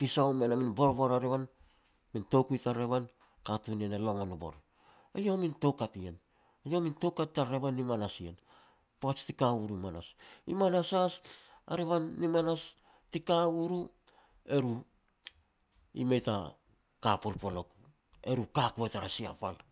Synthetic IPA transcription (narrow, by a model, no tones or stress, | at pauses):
pisaomenaminbo̞ɾbo̞ɾaɾeβan | mintokujtaɾe̞βan | katunienelo̞ŋonubo̞̰ɾ | ajominto̞katien | ajo̞minto̞wkattaɾe̞βanːimanasien | poat͡ʃtikauɾuimana̰simanasasa̰ɾeβanːimanas | tikauɾu | e̞ɾu | ḭmejta̰ | kapolpo̞lo̞k | e̞ɾukakuetaɾasia̰pal